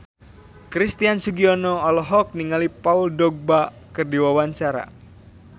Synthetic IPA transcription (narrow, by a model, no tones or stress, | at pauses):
kɾist̪iansuɡiɔnɔːlɔɦɔk̚niŋalipauldɔɡ̚ba | kɨrdiwawaɲt͡ʃaɾa̰